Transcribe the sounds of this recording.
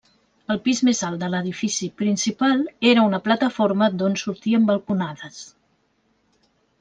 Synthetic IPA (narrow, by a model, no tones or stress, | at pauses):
əlˠpizmezalˠt̪d̪ələð̞ifisipɾinsipalˠeɾəunəplət̪əfoɾməd̪onsuɾt̪iəmbəlˠkunaðəs